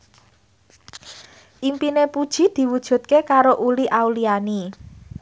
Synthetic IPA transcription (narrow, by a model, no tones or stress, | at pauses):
ʔimpinepud̥ʒ̥i̤d̪̥i̤wud̥ʒ̥ṳt̪̚kekaɾoʔuliʔawliani